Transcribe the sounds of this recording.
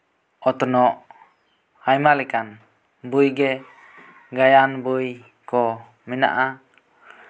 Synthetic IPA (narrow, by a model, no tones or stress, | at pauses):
ɔt̪ɔnɔʔ | hajmalikan | bujɡɛ | ɡajanbuj | kɔ | mina̰ʔa